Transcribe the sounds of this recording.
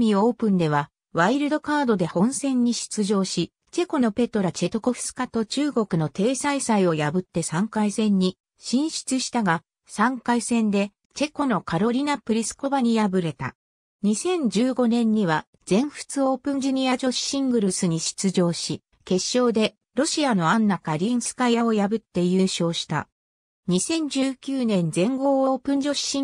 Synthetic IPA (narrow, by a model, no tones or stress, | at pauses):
mʲio̞ːpɯ̟̃nd̪e̞β̞a | βaiɾɯ̟d̪o̞kaːd̪o̞d̪e̞hõ̞ɰ̃sẽ̞ɲ̟ːiɕi̥t͡sɨʑo̞ːɕi | t͡ɕe̞ko̞no̞pe̞t̪o̞ɾat͡ɕe̞t̪o̞ko̞ɸɯ̥t͡sɨ̥kat̪o̞t͡ɕɨːɡo̞kɯ̟no̞t̪e̞ːsaisaio̞jabɯ̟t̪ːe̞sãŋkaisẽ̞ɲ̟ːi | ɕĩɰ̃ɕi̥t͡sɨɕi̥t̪aɡa | sãŋkaisẽ̞nd̪e̞ | t͡ɕe̞ko̞no̞kaɾo̞ɾʲinapɯ̟ɾʲisɨ̥ko̞baɲ̟ijabɯ̟ɾe̞t̪a̰ | ɲ̟isẽ̞ɲ̟d͡ʑɨːɡo̞nẽ̞ɲ̟ːiβa | d͡z̥ẽ̞ɰ̃ɸɯ̥t͡sɨo̞ːpɯ̟̃ɲ̟d͡ʑiɲ̟ʲiad͡ʑo̞ɕi̥ɕĩŋɡɯ̟ɾɯsɨɲ̟iɕi̥t͡sɨd͡ʑo̞ːɕi | ke̞ɕːo̞ːd̪e̞ | ɾo̞ɕiano̞ãnːakaɾʲĩɰ̃sɨ̥kajao̞jabɯ̟t̪ːe̞jɯːɕo̞ːɕi̥t̪a̰ | ɲ̟isẽ̞ɲ̟d͡ʑɨːkʲɨːnẽ̞nd͡zẽ̞ŋɡo̞ːoːpɯ̟̃ɲ̟d͡ʑo̞ɕɕĩ